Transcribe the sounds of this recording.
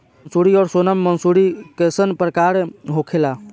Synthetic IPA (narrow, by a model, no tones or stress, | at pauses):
nsuɾiɔːɾsonəmːənsuɾikesənpɾəkaɾɦokʰela